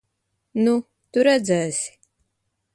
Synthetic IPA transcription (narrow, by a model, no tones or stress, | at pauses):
nu | t̪uɾæd̪zæːsi̥